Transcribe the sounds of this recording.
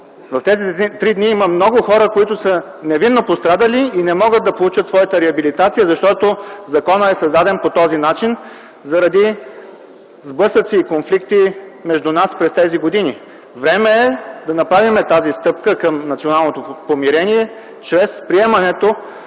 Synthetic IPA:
vɐft̪ɛzit̪ɾid̪niiməmnɔɡʊxɔɾəkoit̪ʊsə | nɛvinːopost̪ɾad̪əliinɛmɔɡəd̪̚d̪ɐpolˠut͡ʃət̪svɔjət̪əɾɛɐbilit̪at̪sijəzɐʃt̪ɔt̪ozɐkɔnəɛsɐzd̪ad̪ɛnpot̪ɔzinat͡ʃin | zɐɾɐd̪i | zblˠɤsət̪siːkonflikt̪imɛʒd̪unaspɾɛst̪ɛziɡod̪ini | vɾɛmɛɛd̪ɐnɐpɾavimɛt̪azist̪ɤp̚kəkəmnɐt̪sionalˠnot̪opomiɾɛniɛ | t͡ʃɾɛspɾiɛmɐnɛt̪o

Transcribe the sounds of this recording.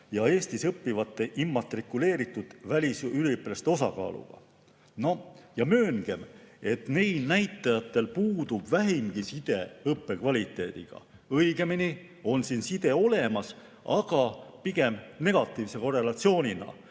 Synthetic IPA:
jɑe̞ːst̪isɤpːivɑt̪ːˑe̞ʔimːɑt̪ːˑrikːule̞ːɾit̪ːˑud̪̥vælʲisylipːelest̪eo̞sɑ̰kɑ̰ːlṵɡ̥ɑ̰ | no̞jɑmø̞ːŋɡ̥e̞me̞t̪ne̞jlnæjt̪ˑːɑjɑt̪ːˑe̞lpuːd̪̥ub̥væɦimɡ̥isid̪̥e̞ɯpːe̞kvɑlʲit̪ːˑe̞ːd̪̥ḭɡ̥ɑ̰ | ɤjɡ̥e̞mini | o̞nsinsid̪̥e̞o̞le̞mɑs | ɑɡ̥ɑpiɡ̥e̞mne̞ɡ̥ɑt̪ːˑiːvse̞ko̞re̞lɑt̪sio̞ːnʲinɑ̰

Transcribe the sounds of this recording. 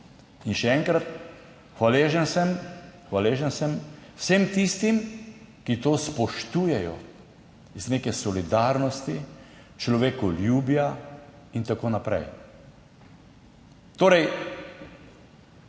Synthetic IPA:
inʃɛɛŋkɾat̪ | xʋaleʒɛnsɛmxʋaleːʒɛnsɛmwsemt̪ist̪imkit̪oːspɔʃt̪uːjɛjɔ̰ | izneːkɛsɔlid̪aɾnɔst̪i | t͡ʃlɔʋekɔljuːbja | int̪akoːnapɾɛ̰j | t̪oːɾɛj

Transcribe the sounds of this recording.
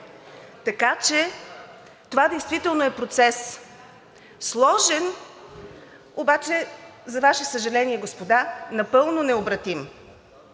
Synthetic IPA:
t̪ɐkat͡ʃɛ | t̪ovad̪ɛjst̪vit̪ɛlˠnoɛpɾot̪sɛs | slˠɔʒɛn | obat͡ʃɛzɐvaʃɛsəʒɐlɛniɛɡospod̪anɐpɤlˠnonɛobɾɐt̪im

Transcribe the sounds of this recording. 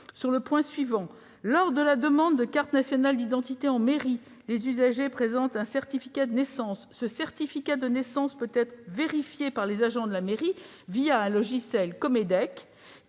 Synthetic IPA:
syʁləpwɛ̃sɥivɑ̃ | lɔʁd̪əlad̪əmɑ̃d̪ːəkaʁt̪nasjɔnald̪id̪ɑ̃t̪it̪eɑ̃meʁi | lezyzaʒepχezɑ̃t̪ɛ̃sɛʁt̪ifikad̪ənesɑ̃sːəsɛʁt̪ifikad̪ənesɑ̃spøt̪ɛt̪χveʁifjepaʁlezaʒɑ̃d̪əlameʁi | vijaɛ̃lɔʒisɛlkɔmed̪ɛk

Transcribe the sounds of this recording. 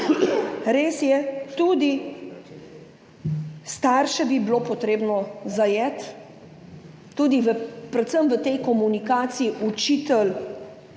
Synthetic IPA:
ɾeːsjɛt̪ud̪i | st̪aːɾʃɛbibiloːpɔt̪ɾeːbnɔzajɛt̪ | uːd̪iʋəpɾɛt̪səmʋət̪ɛjkɔmunikaːt̪siːʔut͡ʃit̪ɛl

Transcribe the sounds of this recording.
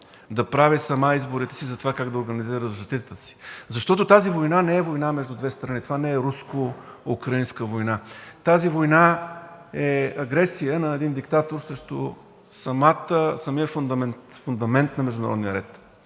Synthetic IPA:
d̪ɐpɾavisɐmaizboɾit̪ɛ̥sizɐt̪ovakaɡd̪ɐoɾɡɐniziɾəzʒɐst̪it̪ət̪əsi̥zɐʃt̪ɔt̪ot̪azivojnanɛɛvojnamɛʒd̪ʊd̪vɛst̪ɾɐnit̪ovanɛɛɾuskoukɾəinskəvojnat̪azivojna | ɛɐɡɾɛsijənɐɛd̪ind̪ikt̪at̪oɾsɾəʃt̪o̰ | sɐmat̪əsɐmiəfʊnd̪ɐmɛnt̪fʊnd̪ɐmɛnt̪nɐmɛʒd̪ʊnɐ̰ɾɔ̰d̪nijəɾɛt̪

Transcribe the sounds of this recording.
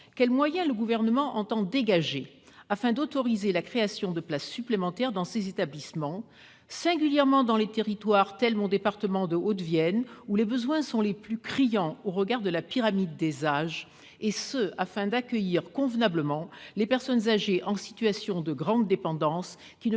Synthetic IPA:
kʲɛlmwajɛ̃ləɡuvɛʁnəmɑ̃ʔɑ̃t̪ɑ̃d̪eɡaʒe | afɛ̃d̪ot̪ɔʁizelakχeasjɔ̃d̪əplasːyplemɑ̃t̪ɛʁd̪ɑ̃sezet̪ablismɑ̃ | sɛ̃ɡʲyljɛʁmɑ̃d̪ɑ̃let̪eʁit̪waʁt̪ɛlmɔ̃d̪epaʁt̪əmɑ̃d̪əot̪vjɛnulebəzwɛ̃sɔ̃leplykχijɑ̃oʁəɡaʁd̪əlapiʁamid̪ːezaʒ | esəafɛ̃d̪akʲəjiʁkɔ̃vnabləmɑ̃lepɛʁsɔnzaʒeʔɑ̃si̥t̪ɥasjɔ̃d̪əɡʁɑ̃d̪ːepɑ̃d̪ɑ̃s | kʲin

